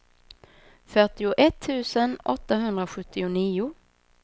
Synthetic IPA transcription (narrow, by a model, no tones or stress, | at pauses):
fœʈɪʊʔɛt̪ʰːʉ̟ːsənʔɔt̪ːaɦɵnd̪ɾaɧɵt̪ːɪʊniːʊ